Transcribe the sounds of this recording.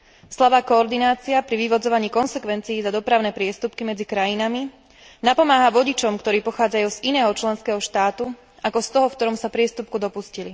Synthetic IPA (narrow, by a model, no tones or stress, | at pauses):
slaʋaːkɔːɾd̪inaːt͡siapɾiʋiʋɔd͡zɔʋaɲiːkɔnsɛkʋɛnt͡sijːzad̪ɔpɾaʊnɛːpɾɪɛst̪upkimɛd͡zikɾajinami | napɔmaːɦaʋɔɟit͡ʃɔmkt̪ɔɾiːpɔxaːd͡zajuːzinɛːɦɔt͡ʃlɛnskɛːɦɔʃt̪aːt̪u | akɔst̪ɔɦɔfkt̪ɔɾɔmsapɾɪɛst̪up̚kud̪ɔpuscili